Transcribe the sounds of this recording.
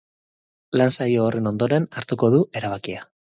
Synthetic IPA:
lansajoːre̞no̞nd̪o̞ɾe̞naɾt̪uko̞ð̞uʔe̞ɾaβ̞akia

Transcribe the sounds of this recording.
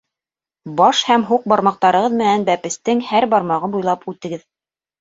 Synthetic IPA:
bɑʃhæmɦuq̚bɑɾmɑq̚t̪ɑɾɤ̆ʁɤðmɘ̆nænbæpɘ̆st̪ɘŋhæɾbɑɾmɑʁɤbujlˠɑpʉt̪ɘ̆ɡɘð

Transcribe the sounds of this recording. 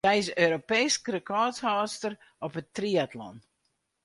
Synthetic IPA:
ɛjsøːɾopejskrəkɔːthaːstər | ɔpətriatlɔ̰n

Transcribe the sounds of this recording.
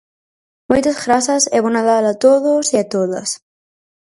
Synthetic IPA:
mojt̪azɣɾasɐsɛβonaðalat̪oðosiat̪oðɐ̰s

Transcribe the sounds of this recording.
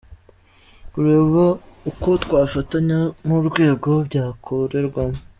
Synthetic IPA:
buɾeːβouko̞tkwaːfataɲamuɾɡwe̞ːɡo̞bɟaːkʰoɾe̞ɾɡwamo

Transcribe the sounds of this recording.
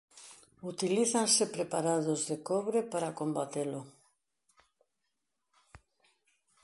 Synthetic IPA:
ut̪iliθansepɾepaɾaðozðekɔβɾepaɾakombat̪elʊ

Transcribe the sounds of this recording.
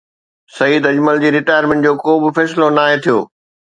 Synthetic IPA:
sɐiːd̪ɐd͡ʑməld͡ʑiːɾɪʈaːjəɾmẽɳʈ̚d͡ʑoːkoːbɪfɛːsɪlonaːɦet̪ʰijo̰ː

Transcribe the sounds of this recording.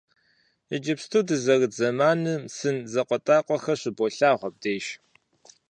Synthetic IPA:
əd͡ʒɪpstʰɨwdɨzɐɣzɐmaːnɨmsɨnzɐqʷʼɔtʼaːqʷʼɔxɐɕɪboɬaːʁʷɔb̚deːʃ

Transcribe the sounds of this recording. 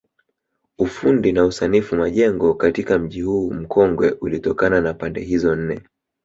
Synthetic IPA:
ufundinausanifumaʄɛŋɡɔkatikam̩ʄihuːm̩kʰɔŋɡwɛʔulitɔkananapandɛɦizɔn̩nɛ

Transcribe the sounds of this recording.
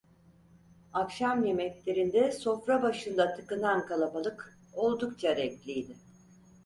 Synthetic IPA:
akʃamje̞mɛclʲe̞ɾind̪ɛso̞fɾabaʃɯnd̪at̪ʰɯkɯnankʰalˠabalˠɯk | o̞lˠd̪ukt͡ʃʰaɾɛclʲijd̪ɪ

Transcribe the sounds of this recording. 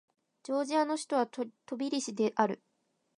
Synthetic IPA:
d͡ʑo̞ːʑiano̞ɕi̥t̪o̞βat̪o̞bʲiɾʲiɕid̪e̞ʔaɾɯ̟

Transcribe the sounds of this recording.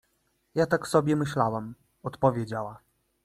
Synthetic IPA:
jat̪aksɔbʲjɛmɘɕlawam | ɔt̪pɔvʲjed͡ʑawa

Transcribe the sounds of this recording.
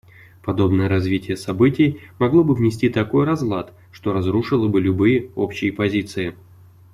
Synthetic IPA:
pɐd̪o̞bnəjəɾɐzvʲitʲɪjəsɐbɨtʲɪjmɐɡlˠo̞bɨvnʲɪsʲtʲit̪ɐko̞jrɐzvlˠat̪ | ʂt̪o̞ɾɐzɾuʂɨlˠəbɨlʲʊbɨjəo̞pɕːɪjəpɐzʲit̪sɨɪ

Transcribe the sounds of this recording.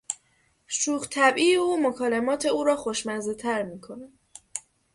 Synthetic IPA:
ʃuːxt̪ʰæbʔiːjeuːmokʰɒːlemɒːt̪ʰe̞uːɾɒːxoʃmæzet̪ʰæɾmiːkʰo̞næ̥

